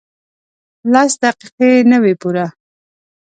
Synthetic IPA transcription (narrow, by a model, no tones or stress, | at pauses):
lɑsd̪aqiqenəwepuɾa